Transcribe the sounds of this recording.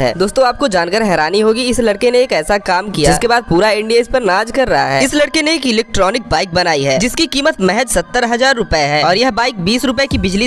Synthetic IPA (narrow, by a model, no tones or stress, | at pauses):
ɦɛ̰ːd̪oːst̪õaːp̚kod͡ʒaːnkəɾɦɛːɾaːniɦoːɡiɪslɐɽkeneːkɛːsakaːmkijad͡ʒɪkebaːd̪̚puːɾaɪ̃ɳɖieːspɐɾnaːd͡ʒkɐɾːɐɦa̰ɦɛ̰ːɪslɐɽkeneːkɪlɛːk̚ʈɾɔːnɪk̚baːɪk̚bɐnaːiɦɛːd͡ʒɪskikiːmət̪mɛɦɛd͡ʒsɐt̪ːəɾɦɐzaːɾːʊpəeɦɛːɔːɾjɐɦbaːɪk̚biːsɾʊpekibɪd͡ʒli